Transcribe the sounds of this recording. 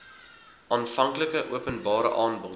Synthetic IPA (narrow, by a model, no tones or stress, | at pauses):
ʔɑːnfɐŋkləkəʔuəpənbɑːɾə̰ʔɑːnbɔ